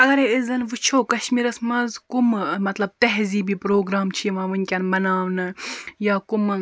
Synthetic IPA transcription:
ɐɡɐɾeizɐnʋɨt͡ʃʰoːkɐʃmiːɾɐsmɐzkummɐt̪lɐb̚t̪ɐɦziːbiːpɾoːɡɾaːmt͡ʃʰimɐːʋɨnʲkʲɐnmɐnaːʋnɐjaːkum

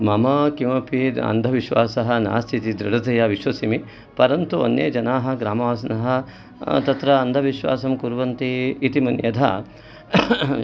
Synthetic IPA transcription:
mɐmɐkimɐpid̪ɐ̰nd̪ʱɐʋiʃʋaːsɐɦɐ̆na̰ːst̪ʰit̪id̪ɾɐɖɐt̪ɐjaːʋiʃʋɐsimi | pɐɾɐnt̪uo̰nːḛːd͡ʒɐnaːɦɐ̆ɡɾaːmɐʋaːsɐnɐɦɐ̆ | t̪ɐt̪ɾɐːnd̪ʱɐʋiʃʋa̰ːsɐmkuɾʋɐnt̪iːt̪imɐnjɐd̪ʱa̰

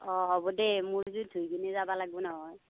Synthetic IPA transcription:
ɔɦɔbɔdɛmʊɹzudʱujkʰinɛzabalaɡbɔnɔɦɔj

